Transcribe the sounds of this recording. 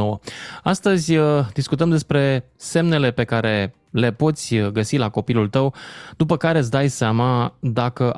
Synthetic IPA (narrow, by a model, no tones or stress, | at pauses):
owəast̪əzʲd̪iskut̪əmd̪e̞spɾe̞ | se̞mne̞le̞pe̞kaɾe̞ | le̞po̞t̪sʲɡəsilako̞pilult̪əwd̪̥upəkaɾe̞s̬d̪ajseamad̪akəʔ